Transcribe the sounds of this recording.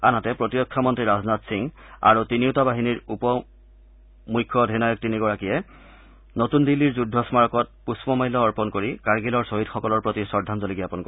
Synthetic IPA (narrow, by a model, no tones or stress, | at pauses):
anatɛpɹotijɔkʰːamɔntɹiɹaznatsiŋ | a̰ɹutiniutabaɦiniɹupɔ | mujkʰːɔdɦenajɔk̚tiniɡɔɹakijɛ | notundilːiɹzudʱːɔsmaɹɔkɔt̚puspɔmajlɔːɹpɔnkoɹikaɹɡilɔɹsoɦitxɔkɔlɔɹpɹotisɔɹdʱanzoliɡijapɔnkɔ